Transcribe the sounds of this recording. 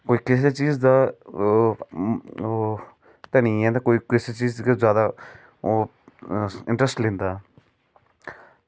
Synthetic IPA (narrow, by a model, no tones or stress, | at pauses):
koːiːkɪseːt͡ʃiːzd̪aː | t̪ənĩːɛ̃ːt̪aːkoːiːkɪset͡ʃiːzkezjaːd̪aː | ɪ̃ɳʈɾəsʈlẽːnd̪aː